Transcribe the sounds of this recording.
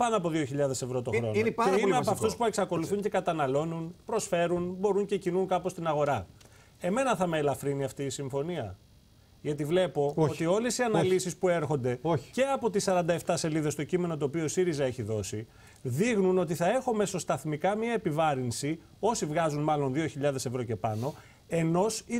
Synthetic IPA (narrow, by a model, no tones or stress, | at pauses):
pɐnoɐpo̞ðio̞çiʎɐðe̞se̞vɾo̞t̪o̞xɾo̞neimeɐpɐft̪uspue̞ksɐko̞luθuɲce̞kɐt̪ɐnɐlo̞nunpɾo̞sfe̞ɾunbo̞ɾuɲce̞cinuŋkɐpost̪inɐɣo̞ɾɐ | e̞me̞nɐθɐmeːlɐfɾiniɐft̪iːsiɱfo̞niɐ̰ | ʝɐt̪ivle̞po̞ot̪io̞le̞siɐnɐlisispue̞ɾxo̞nd̪e̞o̥ce̞ɐpo̞t̪isɐɾɐnd̪ɐe̞ft̪ɐse̞liðe̞st̪o̞cime̞no̞t̪̬oːpio̞siɾizɐe̞çiðo̞si | ðiɣnuno̞t̪̬iθɐe̞xome̞so̞st̪ɐθmikɐmiɐepivɐɾinsi | o̞sivɣɐzunmɐlo̞nðio̞çiʎɐðe̞se̞vɾo̞ce̞pɐno̞ | e̞no̞si